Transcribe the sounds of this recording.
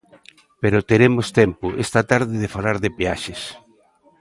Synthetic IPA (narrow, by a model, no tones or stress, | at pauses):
peɾot̪eɾemost̪empʊʔest̪at̪aɾðɪðɪfalaɾðepeaʃes